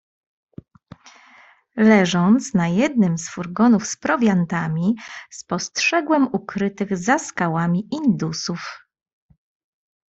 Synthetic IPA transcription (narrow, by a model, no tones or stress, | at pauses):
lɛʐɔnt̪snajɛd̪nɘmsfuɾɡɔnufspɾɔvʲjant̪amʲispɔstʂɛɡwɛmukɾɘt̪ɘɣzaskawamʲiʔind̪usuf